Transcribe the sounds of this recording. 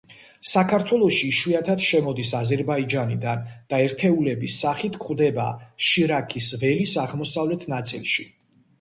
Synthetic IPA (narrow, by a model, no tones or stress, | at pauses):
sakʰaɾt̪ʰwɛlˠɔʃiːʃwiat̪ʰad̪̥ʃɛmɔd̪isazɛɾbaid͡ʒanid̪and̪̥aɛɾt̪ʰɛulɛbisːaχit̪ʰkʰχwd̪ɛba̰ʃiɾakʰisʁɛlisaʁmɔsavlɛt̪ʰnat̪sʼḭlˠʃi